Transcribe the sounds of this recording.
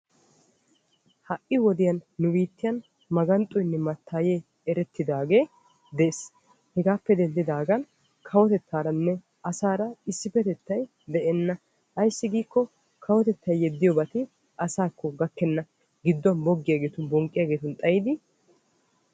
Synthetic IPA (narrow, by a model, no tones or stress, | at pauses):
hɐʔʔɪwɔd̪ɪjɐnːʊbiːt̪ːɪjɐn | mɐɡɐnt̪ʼːɔjnːɛmɐt̪ːaːjeː | ɛɾɛt̪ːɪd̪aːɡe̞ː | d̪ɛeːs | hɛɡaːpːɛd̪ɛnd̪ɪd̪aːɡɐn | kʰɐwɔt̪ɛt̪ːaːɾɐnːɛ | ɐsaːɾɐɪsːɪfɛt̪ɛt̪ːɐj | d̪ɛʔɛnːɐ | ɐjsːɪɡiːkːɔ | kʰɐwɔt̪ɛt̪ːɐjjɛd̪ːɪjɔbɐt̪ɪ | ɐsaːkʰːɔɡɐkːɛnːɐ | ɡɪd̪ːɔnbɔɡːɪjaːɡe̞ːt̪ʊnbɔŋkʼɪjaːɡe̞ːt̪ʊnt̪ʼɐjɪd̪ɪ